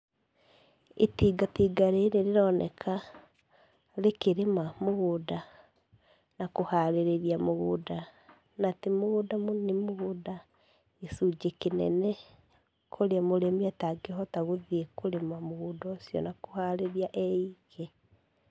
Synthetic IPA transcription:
etiːɡatiːɡaɾeɾeɾeɾɔnɛ̰kʰa | lekeɾemamoɣoda | nakohaɾeɾeɾiamoɣoːda | natemoɣoːdamonemoɣoda | esud͡ʒekenɛ̰nɛ | kʰoɾeamoɾemiataɡeɦɔtaɣoðiekoɾemamoɣuːdɔsjɔ̰nakohaɾeɾiaʔɛiɣɛ

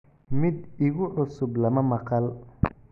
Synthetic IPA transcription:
mɪd̪ɪɣʊʕʊsʊblɐmɐmɐqɑl

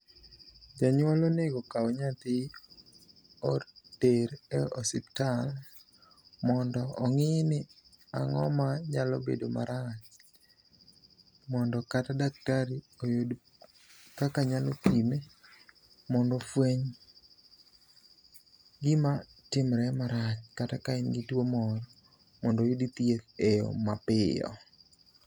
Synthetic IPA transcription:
d͡ʒaɲwaloneɡokaoɲat̪ɪ | ɔd̥eɾɛɔsɪp̚tal | mɔndɔːŋɪnɪ | aŋɔ̰maɲalɔ̰bḛdoma̰ɾat͡ʃ | mɔndɔkatadak̚taɾi | ojod | kakaɲalɔkime | mɔndɔfweɲ | ɡɪma | tɪmɾɛmaɾat͡ʃkatakaɪnɡɪtwomɔɾɔ | mɔndojodit̪jet̪ejɔ̰mapɪjɔ̰

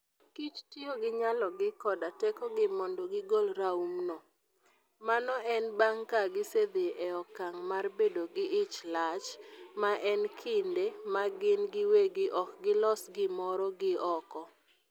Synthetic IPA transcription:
kit͡ʃtioɡɪɲalɔɡɪkɔdatɛkɔɡɪmɔndɔɡɪɡolɾaumnɔ | manɔʔɛnbaŋkaɡɪsed̪eʔɛɔkːaŋmarbedoɡɪʔɪt͡ʃlat͡ʃmaʔɛnkʰɪndemaɡɪnɡɪweɡɪʔɔkɡɪlɔsɡɪmɔɾɔɡɪɔkɔ

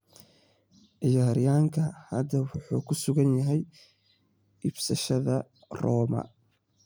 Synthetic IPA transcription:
ʕɪjaːɾɪjaːŋkʰɐhɐd̪ɐwʊħuːkʰʊsʊɣɐnjɐɦɛj | ibsɐʃɐðɐ | rɔːmɐ̰

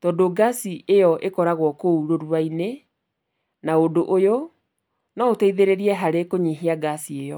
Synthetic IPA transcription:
tɔdoɡasiejɔʔekɔɾaɣwɔkouɾoɾuaine | naodoʔojo | nɔoteiðeɾeɾiɛɦaɾekoɲeɦiaɡasiejɔ

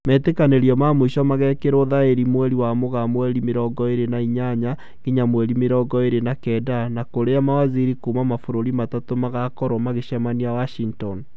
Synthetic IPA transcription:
mɛtekaneɾiɔmamoiʃɔmaɣɛkeɾoðaeɾimwɛɾiwamoɣamwɛɾimeɾɔɡɔeɾenaiɲaɲa | ŋɡ̥iɲamwɛɾimeɾɔɡɔeɾenakɛdanakoɾeamawaziɾikumamafoɾoɾimatatomaɣakɔɾwɔmaɣeʃɛmaniawaʃiŋtɔn

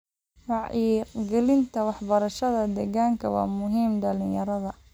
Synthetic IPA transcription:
mɑʕiːqɡɛlɪnt̪ʰɐwɑħbɐɾɐʃɐðɐd̪ɛɣaŋkʰɐwɑ̰ːmʊɦiːmɖɐlɪjɐɾɐðɐ

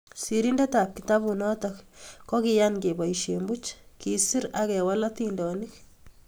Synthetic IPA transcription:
siɾindetap̚kit̪abunɔtɔkkɔkijanɡebajʃembut͡ʃkisiɾakɛwalat̪indɔnɪk

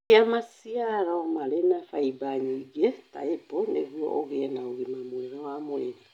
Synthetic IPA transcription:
amasiaɾaomalenafaibaɲiɡeta̰eponeɣwɔ̰ʔoɣenaoɣimamweɾowamweɾa

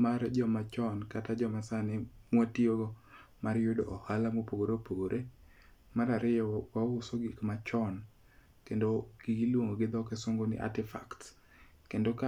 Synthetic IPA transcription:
mard͡ʒɔmat͡ʃɔnkatad͡ʒɔmasanɪmwatioɡɔmaɾjodoʔɔhalamopoɡoɾepoɡoɾʔe | maɾaɾɪjɔwaʊsoɡikmat͡ʃɔn | kendoɡ̥iɡilwoŋoɡɪd̪ɔkɛsoŋɡonɪ̰ʔa̰tɪfa̰kt | kendoka

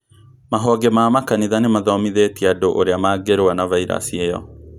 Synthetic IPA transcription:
maɦɔɡemaːmakaniðanemaðɔmiðetiadoʔoɾeamaːɡeɾwanavaiɾa̰siejɔ̰

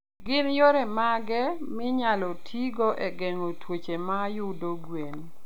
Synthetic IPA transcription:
ɡɪnjoɾɛmaɡɛ | mɪɲalɔtʰiɡoʔɛɡɛŋotwot͡ʃemajʊdoɡwen

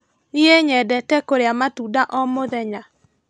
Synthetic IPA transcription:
nieɲɛdɛtɛkoɾeamatuːdaʔɔmoðɛɲa

